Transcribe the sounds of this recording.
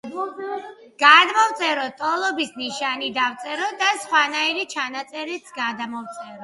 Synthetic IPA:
ɡ̥ad̪mɔvt̪sʼɛɾɔt̪ʼɔlˠɔbisniʃanid̪avt̪sʼɛɾɔd̪asχwanaiɾit͡ʃʰanat̪sʼɛɾit̪sʰɡad̪amɔvt̪sʼɛɾɔ

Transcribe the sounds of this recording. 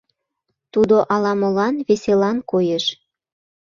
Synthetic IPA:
t̪ud̪oʔɑlɑmolɑnβeselɑnkojeʃ

